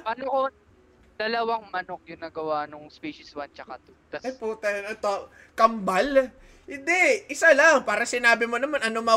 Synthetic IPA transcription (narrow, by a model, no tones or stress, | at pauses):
pɐnoʔo | d̪̥ɐlɐwaŋmɐnok̚jʊŋnɐɡɐwaʔnoŋspiʃɪswant͡ʃɐkat̪ok̪ɐɐpuːt̪ɐnɛt̪o | kɐmbal | hɪnd̪ɛʔɪsalɐŋpaːɾɐsɪnaːbɪmo̞nɐmanʔɐnomɐ